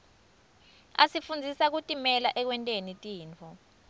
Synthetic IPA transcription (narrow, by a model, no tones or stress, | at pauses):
a̰sifund͡zʱisak̬utʼimɛlaʔɛk̬wɛntʼenitʼiːnt͡fʰɔ